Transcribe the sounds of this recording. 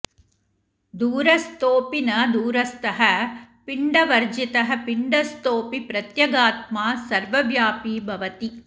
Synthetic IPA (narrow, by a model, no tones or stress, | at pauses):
d̪uːɾɐst̪oːpinɐd̪uːɾɐst̪ɐɦɐpiɳɖɐʋɐɾd͡ʒit̪ɐɦɐ̆piɳɖɐst̪oːpipɾɐt̪jɐɡaːt̪̚maːsɐɾʋɐʋjaːpiːbʱɐʋɐt̪i